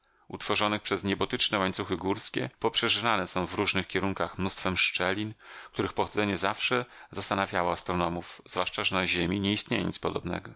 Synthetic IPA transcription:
ṵt̪fɔʐɔnɘxpʂɛzɲɛbɔt̪ɘt͡ʂnɛwaɲt̪suxɘɡuɾskʲɛ̰pɔpʂɛʐvanɛsɔ̃w̃vɾuʐnɘxkʲɛɾuŋkaxmnust̪fɛmʂt͡ʂɛlʲink̚t̪uɾɘxpɔxɔd̪zɛɲɛzafʂɛzast̪anavʲjawɔast̪ɾɔnɔmufz̥vwaʂt͡ʂaʐɛnaʑemʲiɲɛist̪ɲejɛ̰ɲḭt̪spɔd̪ɔbnɛ̰ɡɔ

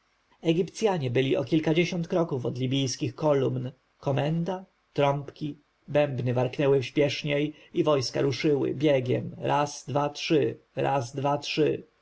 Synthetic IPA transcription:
ɛɡʲipt̪sʲjaɲɛbɘlʲiʔɔ̰kʲilkad͡ʑeɕɔnt̪kɾɔkufɔd̪lʲibʲijskʲixkɔlumn | kɔmɛnd̪a | t̪ɾɔ̃mpkʲi | bɛmbnɘvaɾknɛwɘfɕpʲjɛʂɲej | ivɔjska̰ɾuʂɘwɘ̰bʲjeɡʲɛ̰mɾʔaz̥d̪vatʂɘ | ɾa̰zd̪vatʂɘ

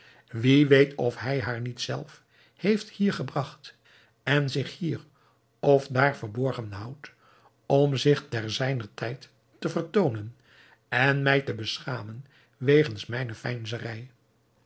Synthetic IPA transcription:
ʋiʋejtʰɔfɦɛjɦaːɹnitsɛ̰lˠf | hejfthiːɹχəbrɑχt | ɛnzɪχhiːɹ | ɔfdaːɹvəɹbɔɹχənɦɑwt | ɔmzɪχtɛɹzɛjnəɹtʰɛjtː | əvəɹtownən | ɛnmɛjtəbəsχaːmən | ʋejχənsmɛjnəfɛjnzərɛj

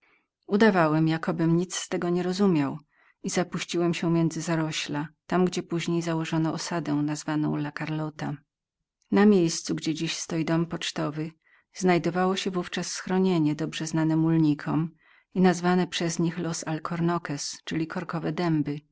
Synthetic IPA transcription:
ud̪avawɛmjakɔbɘmɲit̪sst̪ɛɡɔɲɛɾɔzumʲjaw | izapuɕt͡ɕiwɛmɕɛmʲjɛnd̪zɘzaɾɔɕlat̪amɡd͡ʑɛpuʑɲejzawɔʐɔnɔɔsad̪ɛw̃nazvanɔ̰̃w̃lakaɾlɔt̪a | namʲjejst̪suɡd͡ʑɛd͡ʑiɕst̪ɔjid̪ɔmpɔt͡ʂt̪ɔvɘ | znajd̪ɔvawɔɕɛvuft͡ʂasːxɾɔɲeɲɛd̪ɔbʐɛznanɛmulɲikʰɔm | inazvanɛpʂɛzɲixlɔsalkʰɔɾnɔkɛst͡ʂɘlʲikʰɔɾkɔvɛd̪ɛmbɘ

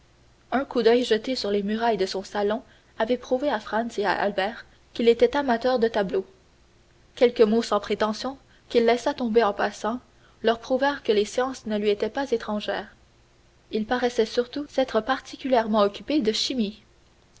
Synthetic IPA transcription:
œ̃kud̪œjʒət̪esyʁlemyʁajd̪əsɔ̃salɔ̃ | avɛpχuveafχɑ̃nsea̰ʔa̰lbɛːʁ | kʲilet̪ɛt̪amat̪œːʁd̪ət̪ablo | kʲɛlkəmosɑ̃pχet̪ɑ̃sjɔ̃ | kʲilːɛsat̪ɔ̃beɑ̃pasɑ̃ | lœʁpχuvɛːʁkəlesjɑ̃ːsnəlɥiet̪ɛpazet̪χɑ̃ʒɛːʁ | ilpaʁɛsɛsyʁt̪usɛt̪χəpaʁt̪ʰikʲyljɛʁmɑ̃ɔkʲyped̪əʃimi

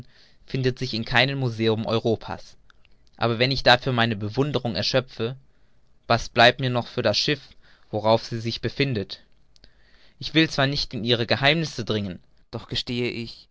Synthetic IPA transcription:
fɪndətz̥ɪçɪnkʰaɪnəmːuzeːʊmʔɔ̰ʏʁ̞oːpʰa̰ːs | ʔa̰ːbɐvɛnɪçd̥aːfyːɐmaɪnəbəvʊndəʁ̞ʊŋɛɐʃœp͡fə | vasb̥laɪp̚tmiːɐnɔχfyːɐdasʃɪf | v̥oʁ̞aʊfz̥iːzɪçb̥əfɪndət | ʔɪçv̥ɪlt͡sv̥aːɐnɪçtɪnʔiːʁ̞əɡəhaɪmnɪsədʁɪŋən | d̥ɔχɡ̥əʃteːəʔɪç

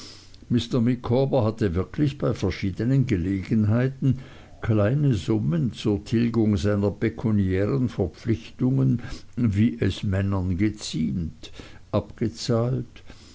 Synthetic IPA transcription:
mɪstɐmɪkʰːɔːbəɦatəvɪɐkʰlɪçb̥aɪfɛɐʃiːdənənɡəleːɡənɦaɪtn̩ | kʰlaɪnəzʊmənt͡suːɐtʰɪlɡʊŋzaɪnɐpʰekʰuniɛːʁənfɛɐp͡flɪçtʊŋənviːʔɛsmɛnɐnɡət͡siːntʔapɡ̥ət͡saːlt

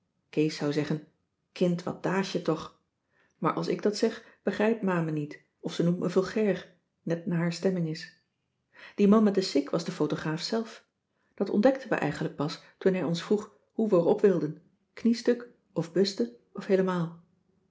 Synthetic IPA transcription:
kejsɑwzɛχən | kɪntʋɑ̰t̚d̥aːʃətɔχ | maːɹʔɑlˠsɪ̰ɡ̚dɑtsɛχb̥əχrɛjpmaːmənit | ɔfsənumməvɪlˠχɛɹχ | nɛt̚naːɹɦaːɹstɛmɪŋɪs | d̥imɑnmɛt̚dəsɪkʋɑzdəfowtoχraːfsɛlˠf | d̥ɑtɔ̰ndɛk̚tʰənʋə̰ʔɛ̰jχənlək̚pɑs | tunɦɛjɔnsfruχ | ɦuʋəəɹɔpʋɪlˠdən | knistɵk | ɔfbɵstə | ɔfɦejləmaːlˠ

